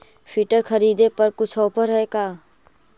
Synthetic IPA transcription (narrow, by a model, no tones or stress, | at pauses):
fʰiːʈəɾkʰɐɾiːd̪epɐɾkʊt͡ʃʰɔːpəɾɦɛkaː